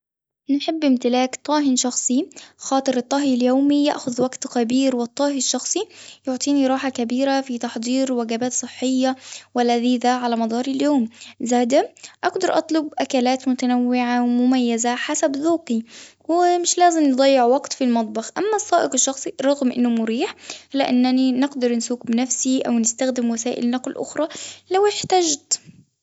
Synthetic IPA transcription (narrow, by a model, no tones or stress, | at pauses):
nɪħɪbːʔɪmt̪ɪlaːkt̪ˤɑːɦɪnʃɑxsˤixɑːt̪ˤɨɾɨt̪ˤːɑːɦiljoːmijaʔxʊðwaɡt̪kæbiːɾwɪt̪ˤːɑːɦiʃːɑxsˤijʊʕt̪ˤiːniɾˤɑːħakabiːɾafit̪ɑħd̪ˤiːɾwaɡabaːt̪sˤɨħːɪjːawɪlaðiːðaʕalamɑd̪ˤɑːɾˤiljoːmzaːd̪aʔɑɡd̪ɑɾˤʔɑt̪ˤlʊbʔakalaːt̪mʊt̪anawːɪʕawmʊmajːɪzaħasabðuːqi | wɪmɪʃlaːzɪmnɨd̪ˤɑjːɪʕwɑɡt̪filmɑt̪ˤbɑxʔamːasˤːɑːʔɪqɪʃːɑxsˤiɾˤɑɣmʔɪnːʊmʊɾiːħhlːaʔɪnːaninɪɡd̪ɑɾˤnsuːkbɪnafsiʔawnɪst̪axd̪ɪmwasaːʔɪ̰lnɑqlʔʊ̰xɾˤɑlawɪħt̪ad͡ʒt̪